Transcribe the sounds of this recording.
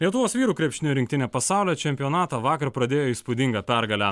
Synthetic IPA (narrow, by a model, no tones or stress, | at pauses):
lʲiɛt̪ʊʋoːsʋʲiːɾuːkɾʲɛpʲʃʲt̪ʲɪnʲʊɾʲɪŋk̚t̪ʲɪnʲɛːpɐsɑˑʊlʲɛːt͡ʃʲɛmʲpʲɪjɔnɑːt̪ɑʋɑːkɐɾpɾɐd̪ʲeːjoːiːspʊd̪ʲɪŋɡɐpʲæɾɡɐlʲæ